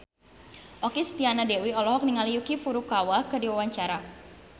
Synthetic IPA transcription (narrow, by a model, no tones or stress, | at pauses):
ʔɔkist̪ianadewiɔlɔɦɔk̚niŋalijukifuɾukawakɨrdiwawaɲt͡ʃaɾa